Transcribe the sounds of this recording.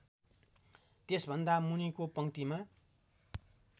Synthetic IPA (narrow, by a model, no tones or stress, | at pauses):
t̪esbʱʌnd̪amunikopʌŋt̪ima